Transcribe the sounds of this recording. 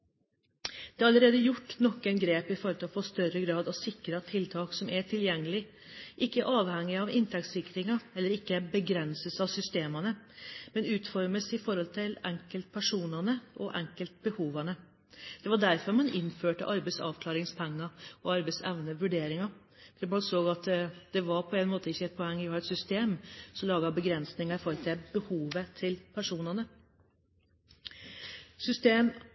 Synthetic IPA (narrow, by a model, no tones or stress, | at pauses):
d̪̥ɛɑɑləɾeːd̪əjʊʈːnɔkːənɡɾeːpɪfɔɾɔlt̪ɑʋfoːst̪œɾəɡɾɑːd̪ɑʋsɪkɾət̪ʰːɪlt̪ʰɑːksɔmæʈʰɪljɛŋːəlɪ | ʔɪkːəʔɑːʋhɛŋːɪɑʋɪnt̪ʰɛksɪkːɾɪŋɑɛlːəɾɪkːəbəɡɾɛnsəsɑʋsʏst̪eːmɑnəmɛnʉːt̪fɔɾməsɪfɔɾhɔlt̪ʰɪlɛŋkəlt̪̚pʰæʂuːnɑnəʔɔ̰ʔɛŋkəlt̪̚bəhuːʋɑnə | d̪̥ɛʋɑɖæɾfɔɾmɑnɪnføːʈə̰ʔɑɾbɛɪsɑ̰ːʋkʰlɑːɾɪŋspʰɛŋːɑɔɑɾbɛɪsɛʋnəʋʉɖeːɾɪŋɑ | fmɑnsoːɡɑt̪d̪̥ɛʋɑɾpʰɔɛnmoːt̪əɪçːəɛt̪̚pʰɔɛŋːʋɪhɑːɛt̪sʏst̪eːmsɔmlɑːɡɑbəɡɾɛnsnɪŋɑɪfɔɾt̪ʰɛbəhuːʋət̪ʰɪlpʰæʂuːnɑnə | sʏst̪eːm